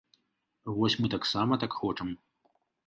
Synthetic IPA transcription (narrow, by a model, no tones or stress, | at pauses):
vɔsʲmɨt̪aksamɐt̪akxɔt͡ʂɐm